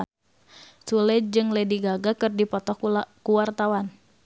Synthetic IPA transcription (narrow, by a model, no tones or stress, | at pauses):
sulɛd͡ʒɨŋlɛdiɡaɡakɨrdipɔt̪ɔkuwart̪awan